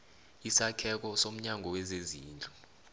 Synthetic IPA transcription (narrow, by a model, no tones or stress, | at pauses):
isakʰɛk̬ɔsom̩ɲaŋʱɔwɛzeziːnd͡ɮʱʼu